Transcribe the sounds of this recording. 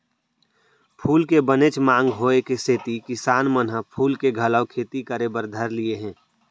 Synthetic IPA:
pʰuːlkebənet͡ʃmãːŋɡɦoːekeseːt̪ikɪsaːnmənɦəpʰuːlkeɡʱələʊkʰeːt̪ikəɾebəɾd̪ʱəɾlieɦɛ̃ː

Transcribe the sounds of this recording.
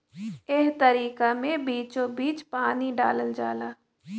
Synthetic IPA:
eɦt̪əɾiːkamẽbiːt͡ʃobiːt͡ʃpaːniɖa̰ːləld͡ʒaːlaː

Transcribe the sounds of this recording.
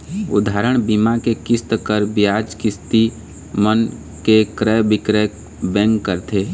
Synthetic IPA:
ʊ̰d̪ʱaːɾəɽ̃bimakekɪst̪kəɾbjaːd͡ʒkɪst̪i | mən | kekɾɛbɪkɾɛ | bɛ̃ːŋkːəɾt̪ʰeː

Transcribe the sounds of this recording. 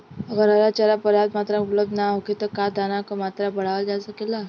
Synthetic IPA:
əɡəɾalat͡ɕəlapəɾjad̪mat̪ɾaupləb̚d̪ʱnaɦoket̪ɔkad̪anakomat̪ɾabəɽ̤aʋəd͡ʒasəkela

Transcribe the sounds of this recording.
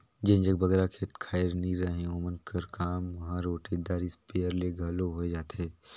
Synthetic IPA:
d͡ʒẽnd͡ʒək̚bʱɐɡɾakʰeːt̪kʰaːɪɾniɾɐɦẽoːmənkəɾkaːmʋɐɦãɾoːʈed̪aːɾispeːəɾleɡʱɐloɦoed͡ʒaːt̪eː

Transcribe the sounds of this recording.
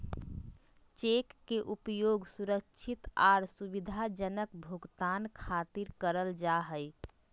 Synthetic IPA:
t͡ʃekːeʔupjoɡsuɾəkt͡ʃʰit̪aɾsubid̪ʱad͡ʒənəkbʱuɡt̪ankʰat̪iɾkəɾəld͡ʒaɦəj

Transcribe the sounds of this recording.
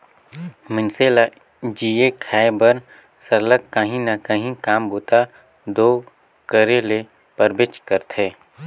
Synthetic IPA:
mɪnseːla | d͡ʒiːekʰaːebəɾ | səɾləkkːəɦĩnəkəɦĩkaːmboːt̪a | d̪oː | kəɾele | pəɾbet͡ʃkəɾt̪ʰeː

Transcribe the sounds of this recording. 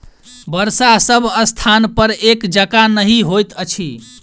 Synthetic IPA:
bəɾsasəbʱəst̪ʰanpəɾekd͡ʒəkanəɦiɦojt̪ət͡ʃʰi

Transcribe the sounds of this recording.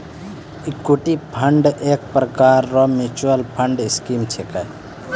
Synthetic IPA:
ikoʈipʰəɳɖek̚pɾəkaɾːɔmit͡ʃuəlpʰəɳɖiskimt͡ʃʰekaj

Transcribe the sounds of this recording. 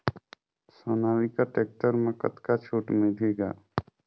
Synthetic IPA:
sonaːʋikaʈeːk̚ʈəɾmẽkə̰t̪kat͡ʃʰuːʈmɪlʱeːɡa̰ː

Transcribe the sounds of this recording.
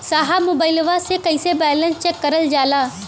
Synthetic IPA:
saːɦamoːbaɪlʋasekəisebɛːlə̃nst͡ʃɛkːɐɾəld͡ʒaːlaː

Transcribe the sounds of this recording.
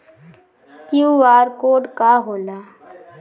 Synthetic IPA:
kjuʋaːɾkoːɖkaɦoːlaː

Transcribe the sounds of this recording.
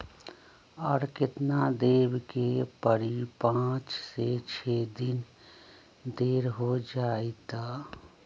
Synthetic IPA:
ɔːɾkɪt̪nad̪eːbkepəɾipãːt͡ʃset͡ʃʰeːd̪ɪn | d̪eːɾɦod͡ʒaːet̪aː

